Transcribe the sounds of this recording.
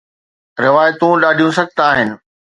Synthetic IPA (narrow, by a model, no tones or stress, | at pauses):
ɾɪʋaːjt̪ũɗaːɖʱijũsɐɡ̚ʱt̪aːɦɪnɪ̆